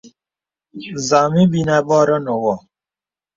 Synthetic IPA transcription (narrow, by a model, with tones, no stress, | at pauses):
za˨mĩ˦bi˨na˨bɔ˦ɾɔ˦no˨wɔ˨